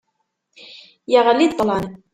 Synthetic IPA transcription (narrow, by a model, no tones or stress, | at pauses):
jaɣalːiːt̪ˤːɑlɑʕn